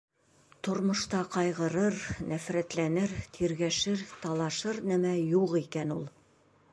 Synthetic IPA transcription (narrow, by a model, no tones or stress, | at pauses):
t̪ŏɾmŏʃt̪ɑqɑjʁɤ̆ɾɤɾnæfɾæt̪lænɘɾt̪ʰiɾɡæʃɘɾt̪ɑlˠɑʃɤɾnæmæjuʁikænulˠ